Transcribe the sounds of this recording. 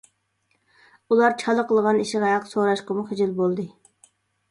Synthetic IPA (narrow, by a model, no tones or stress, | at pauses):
ulˠɑɾt͡ʃʰɑlˠəqʰəlˠʁɑniʃiʁɑɦɑqsoɾɑʃqəmuχɪd͡ʒilbolˠd̪ɨ